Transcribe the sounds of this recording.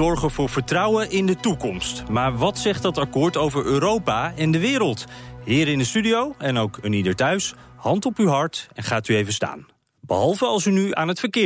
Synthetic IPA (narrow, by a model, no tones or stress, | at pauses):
ɔɹχənvʊːɹv̥əɹtrɑwəʔɪndətukɔmstmaːɹʋɑtsɛχt̚dɑtɑkʊːɹtowvəɹøːɾowpaɛndəʋɪːɾəlˠtɦɪːɾɪndəstydiowɛnowkənidəɹtœɥshɑntɔpyɦɑɹtɛnχaːtyejvənsta̰ːn | bəɦɑlˠvəɑlˠsynya̰ːnɦətfəɹkɪː